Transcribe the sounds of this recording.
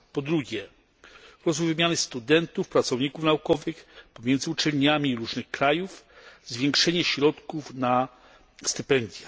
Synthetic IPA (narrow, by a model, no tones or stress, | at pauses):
pɔd̪ɾuɡʲjɛ | ɾɔzvujvɘmʲjanɘst̪ud̪ɛnt̪ufpɾat̪sɔvɲikufnaukɔvɘxpɔmʲjɛnd̪zɘut͡ʂɛlɲamʲiːɾuʐnɘxkɾajuf | zvʲjɛŋkʂɛɲɛɕɾɔt̪kufna | st̪ɘpɛnd̪ʲjɛ